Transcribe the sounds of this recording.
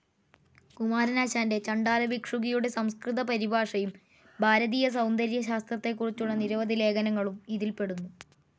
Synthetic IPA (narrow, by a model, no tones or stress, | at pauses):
kumaːɾɐnaːɕaːnde̞t͡ɕɐɳɖaːlɐbikʂuɣɐjuɽe̞sɐmskriðɐpɐɾibaːʂɐjum | bʱaːɾɐðiːjɐs̬ɐwnd̪ʱɐɾjɐɕaːst̪rɐt̪ːe̞kːurit͡ɕːuɭːɐniɾɐʋɐd̪ile̞ːkɐnɐŋːɐɭumiðilpe̞ɽunːu